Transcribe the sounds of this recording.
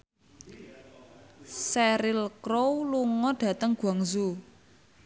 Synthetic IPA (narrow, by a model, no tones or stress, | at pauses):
sɛɾɪlkɾowluŋɔɖ̥ä̤t̪əŋɡ̥waŋzu